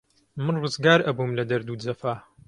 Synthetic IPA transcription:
mɨnrɨzɡaːɾʔɐbumlɐd̪ɐɾd̪uːd͡zɐfaː

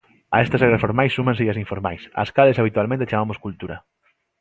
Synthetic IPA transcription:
ɐ̰ɛst̪ɐseɣɾasfoɾmajsːumãŋseʎasiɱfoɾmajsɐ̰skaðesaβ̞it̪ualmẽnt̪et͡ʃamamoskult̪uɾɐ̰

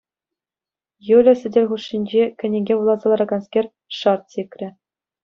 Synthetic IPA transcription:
julʲɘ̆sʲɘ̆dʲelʲχuʂːinʲd͡ʑekʲɘ̆nʲĕɡʲeʋulˠɑzɑlˠɑɾɑɡɑnskʲerʲ | ʂɑrt̪̚sʲekʲrʲɘ̆

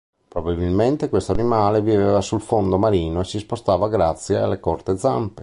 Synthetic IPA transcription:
pɾobabilment̪ekwest̪oanimaːlevivevasulfond̪omaɾiːnoesispost̪aːvaɡɾat̪sːjea̰lːekɔrt̪ed̪za̰mpe

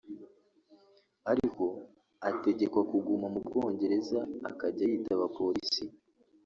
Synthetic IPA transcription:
aɾiko̞ | ate̞ɟe̞kwakuɡumamubɡo̞ːɲɟe̞ɾe̞za̰ːkaɟajitaβapo̞ɾisi

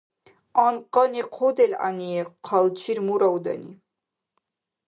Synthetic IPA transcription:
ɑnqʼɑniqʰod̪ɛlʲa̰niɛqʰɑlt͡ʃʰiɾmuɾawd̪a̰ni

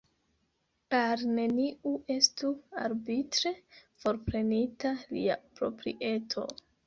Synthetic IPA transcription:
aɾne̞niʔue̞stua̰ɾbitɾe̞fo̞ɾpɾe̞nitalḭapɾo̞̰pɾḭʔe̞tʰo̞̰

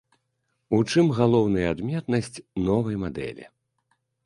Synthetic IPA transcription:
ut͡ʂɨmɣalˠɔwnɐjɐad̪mʲɛt̪nɐsʲt͡sʲnɔvɐjmad̪ɛ̰lʲḭ

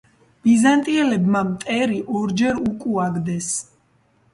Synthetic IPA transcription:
b̥izant̪ʼiɛlɛbmamt̪ʼɛɾiʔɔɾd͡ʒɛɾukʼuaɡd̪ɛs

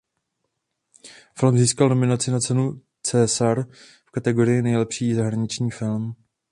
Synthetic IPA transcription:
fɪlmziːskalno̞mɪnat͡sɪnat͡sɛnu | t͡sɛːsaɾ | fkat̪ɛɡo̞ɾɪjɪnɛjlɛpʃiːzaɦɾaɲɪt͡ʃɲiːfɪlm

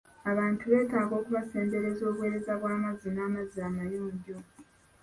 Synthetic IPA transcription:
aβaːntʰuβe̞ːtaːɡo̞ːkuβase̞ːmde̞ɾe̞zo̞ːβwe̞ːɾe̞zaβwaːmazinaːmaziamajoːɲɟo

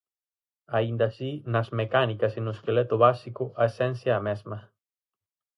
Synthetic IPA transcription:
aind̪asinazmekanikasinoeskelet̪ʊβasikʊʔaesɛnθjaːmɛzma

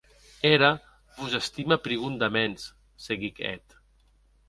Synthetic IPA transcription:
eɾa | βuzest̪imapɾiɣund̪amens | seɣikɛ̰t̪

